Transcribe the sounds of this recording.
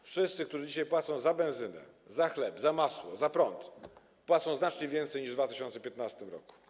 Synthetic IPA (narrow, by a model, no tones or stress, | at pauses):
fʂɘst̪sɘk̚t̪uʐɘd͡ʑiɕajpwat̪sɔ̃w̃zabɛñzɘnɛ̰zaxlɛbzamaswɔ̰zapɾɔnt̪ | pwat̪sɔ̃w̃znat͡ʂɲɛvʲjɛnt̪sɛjɲiʐd̪vat̪ɘɕɔnt̪sɛpʲjɛt̪nast̪ɘmɾɔ̰ku̥